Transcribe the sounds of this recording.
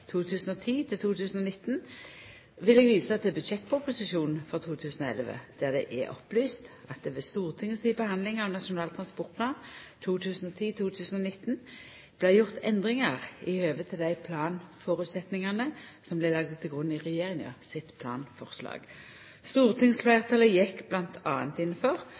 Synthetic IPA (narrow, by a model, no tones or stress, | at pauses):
t̪ʰuːt̪ʰʉːsn̩ɔt̪ʰiːt̪ʰɪlt̪ʰuːt̪ʰʉːsn̩ɔnɪt̪n | ʋɪlɛɡʋiːsəɑt̪d̪ɛːbʉd̪ʂɛt̪ːpʰʊpʊsɪʃuːnn̩fɔʁt̪ʰuːt̪ʰʉːsn̩ɔːɛ̰lʋə̰d̪̥æʁd̪ɛ̰ʔɛ̰ʔɔ̰plyːst̪ʔɑt̪̚d̪ɛʋɛst̪uːʁt̪ʰɪŋːəsiːbəhɑnd̪lɪŋɑʋnɑʂʊnɑːlt̪ʰʁɑnspɔʁt̪̚pʰlɑːnt̪ʰuːt̪ʰʉːsn̩ɔt̪ʰiːt̪ʰuːt̪ʰʉːsn̩ɔnɪt̪ːn | b̥læɪjʊʁt̪ʰɛ̰nd̪ʁɪŋɑʁɪhøːʋət̪ʰːɪld̪æɪpʰlɑːnfɔʁʉt̪sɛt̪nɪŋɑnəsɔmblɪlɑɡd̪t̪ʰɪlɡʁʉnːɪʁɛjeːʁɪŋɑ̰sɪt̪pʰlɑ̰ːnfɔʁslɑ̰ːɡ̥ | st̪uːʁt̪ʰɪŋsflæɪʁt̪ʰɑːləjɛkːblɑnt̪ʰɑːnt̪ɪnːəfɔʁ